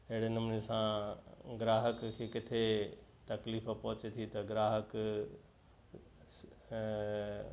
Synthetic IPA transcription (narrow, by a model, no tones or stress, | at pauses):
ɪɦɪɽenɐmnesãɡɾaːɦəkkʰːekɪt̪ʰet̪ɐkliːfpɐɦʊt͡ɕet̪ʰit̪ɐɡɾaːɦək